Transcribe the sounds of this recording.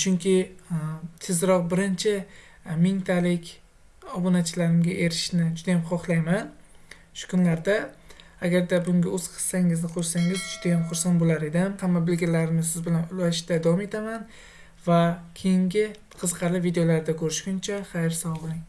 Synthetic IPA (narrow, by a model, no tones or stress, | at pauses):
t͡ʃʰʊŋkʲɪ | t̪ʰɪzɾɒq̚bɪɾɪnt͡ʃʰɪ | mɪŋt̪ʰalɪkʲ | ɒbonat͡ʃʰɪlaɾɪmɡʲaʔe̞ɾɪʃnɪd͡ʒʊd̪ajamχɒχlˠajman | ʃʊ̥kʰʊnlaɾd̪aː | ɡʲaɾd̪abʊŋɡʲaɵz̥qʰɨ̥sːaŋɪznɪqʰoɾsaŋɪzd͡ʒʊd̪ajamχʊɾsanbolaɾe̞d̪ɪmhamːabɪlɡʲalaɾɪnɪsɪzbɪlanʊlaʃd̪ad̪avɒme̞t̪ʰaman | vakʲʰejɪŋɡʲɪ | qʰɨzqʰɑlɪvid̪ejolaɾd̪akʰɵɾɪʃkʊnt͡ʃʰaχajɾsawɒllˠɪŋ